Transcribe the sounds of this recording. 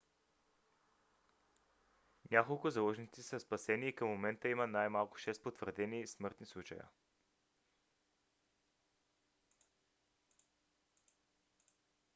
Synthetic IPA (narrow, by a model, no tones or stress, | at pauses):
nʲakolˠkʊzɐlˠɔʒnit̪sisəspɐsɛniːkəmːomɛnt̪əimənajmalˠkʊ̥ʃɛst̪̚pot̪vəɾd̪ɛnismɤɾt̪nislˠut͡ʃə̰jə̰